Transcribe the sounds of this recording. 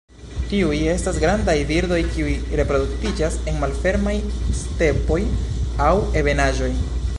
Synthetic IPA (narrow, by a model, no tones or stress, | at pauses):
tiuje̞stasɡɾandajviɾdo̞jkiujɾe̞pɾo̞duk̚tid͡ʒase̞nmalfe̞ɾmajste̞po̞jawe̞be̞naʒo̞j